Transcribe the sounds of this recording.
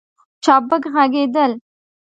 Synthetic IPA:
t͡ʃɑbəkɣaɡed̪əl

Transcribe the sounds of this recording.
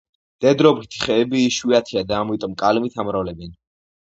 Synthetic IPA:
d̪̥ɛd̪ɾɔbɾit̪ʰi̥χɛːbiːʃwiat̪ʰiad̪aːmit̪ʼɔmkʼalmit̪ʰamɾavlɛbɛn

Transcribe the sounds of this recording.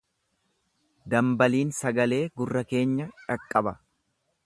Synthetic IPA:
d̪ɐmbɐliːnsɐɡɐle̞ːɡʊrːɐke̞ːɲːɐᶑɐkʼːɐbɐ

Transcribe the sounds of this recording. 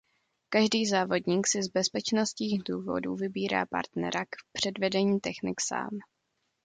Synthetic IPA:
kaʒdiːzaːvo̞dɲiːksɪzbɛspɛt͡ʃnost̪ɲiːxduːvo̞̰duvɪbiːɾa̰ːpa̰ɾt̪nɛ̰ɾʔakpr̥ɛdvɛdɛɲiːt̪ɛxnɪksa̰ːm

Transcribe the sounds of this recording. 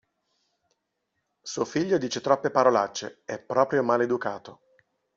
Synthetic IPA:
suofiʎːod̪iːt͡ʃet̪ɾɔpːepaɾolat͡ʃːḛɛpːɾɔːpɾjomaled̪ukaːt̪o

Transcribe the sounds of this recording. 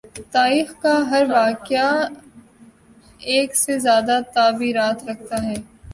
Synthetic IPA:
t̪aːɾiːxkaɦɐɾʋaːkɪja | eːksezjaːd̪at̪aːbiːɾaːt̪ɾɐkʰt̪aɦɛː

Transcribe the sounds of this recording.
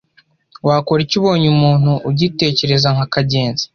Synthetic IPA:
waːkoɾicuβo̞ːɲumuːn̥huʔːɟite̞ːce̞ɾe̞zaŋakaɟe̞ːnzi̥

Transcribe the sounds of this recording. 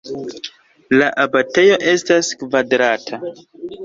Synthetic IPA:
laʔabate̞jo̞ʔe̞staskvadɾatʰa

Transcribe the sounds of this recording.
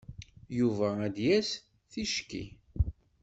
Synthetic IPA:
juvææd̪jæs | θiʃkḭ

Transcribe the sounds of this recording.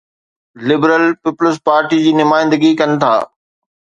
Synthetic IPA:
lɪbɾəlpɪpləs̬paːɾʈid͡ʑiːnʊmaːɪ̃nd̪əɡikɐnɪ̆t̪ʰa̰ː

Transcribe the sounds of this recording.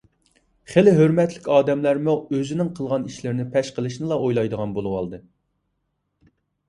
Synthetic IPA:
χelɪɦøɾmɛt̪lɪkʲɑːd̪ɛmlæɾmuøzɪnɪŋqʰəlˠʁɑniʃlɪɾnɪpʰɛʃqəlˠɨʃnɨlˠɑojlˠɑjd̪əʁɑnbolˠuwɑ̰lˠd̪ɨ

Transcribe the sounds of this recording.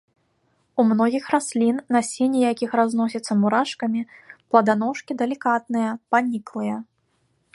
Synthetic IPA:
umnɔɣʲixrasʲlʲinːɐsʲenʲijakʲixɾazn̪ɔsʲɐt̪sːɐmuɾaʂkɐmʲiplˠɐd̪anɔʂkʲid̪ɐlʲikat̪̚nɨjɐpanʲiklˠɨjɐ

